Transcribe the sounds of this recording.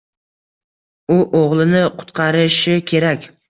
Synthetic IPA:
ʊʔoʁlˠɪnɪqʰʊ̥t̪qʰɑɾɪʃɪkʲʰe̞ɾakʲ

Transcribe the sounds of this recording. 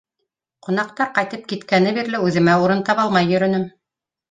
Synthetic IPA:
qŏnɑq̚t̪ɑɾqɑjt̪ɤp̚kit̪kænɘbiɾlɘʉðɘ̆mæuɾɤnt̪ɑpɑlˠmɑjːɵ̆ɾɵ̆nɘm

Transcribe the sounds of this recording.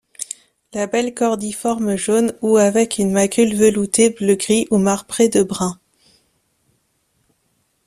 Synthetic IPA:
labɛlkɔʁd̪ifɔʁmʒonuavɛkynmakʲylvəlut̪ebləɡʁiʔumaʁpχed̪əbʁɛ̃

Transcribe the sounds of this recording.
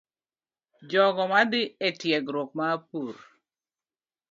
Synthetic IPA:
d͡ʒɔɡɔmad̪ɪetjɛɡɾok̚mapur

